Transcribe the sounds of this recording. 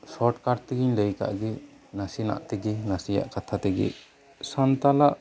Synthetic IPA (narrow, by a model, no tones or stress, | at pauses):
sɔʈkaɖ̚t̪iɡiɲləjka̰ʔɡi | nasina̰ʔt̪ɛɡinasija̰ʔkat̪ʰat̪ɛɡḭ | sant̪alaʔ